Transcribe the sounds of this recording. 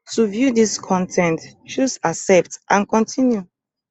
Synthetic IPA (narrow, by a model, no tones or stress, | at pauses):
tuvjudiskʰɔ̃ntʰɛ̃ntt͡ʃusasɛp̚tʔãnkɔ̃ntʰĩnju